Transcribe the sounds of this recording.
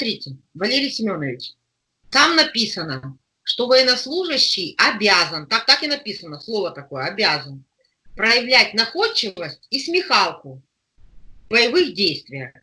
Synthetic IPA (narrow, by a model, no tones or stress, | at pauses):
t̪ɾʲitʲɪ | vɐlʲeɾʲɪjsʲɪmʲo̞nəvʲɪt͡ɕ | t̪amnɐpʲisənə | ʂt̪o̞vəjɪnɐslˠuʐɨɕːɪjɐbʲazənt̪ak̚t̪akɪnɐpʲisənəslˠo̞vət̪ɐko̞jəɐbʲazən | pɾəjɪvlʲætʲnɐxo̞t͡ɕːɪvəsʲtʲismʲɪxalˠkʊ | bəjɪvɨxdʲejst̪vʲɪjə